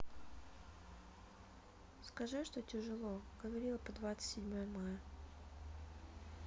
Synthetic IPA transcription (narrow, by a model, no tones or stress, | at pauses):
skɐʐɨʂt̪otʲɪʐɨlˠoɡəvɐɾʲilˠəpəd̪vat̪sɨ̥tʲsʲɪdʲmojəmajə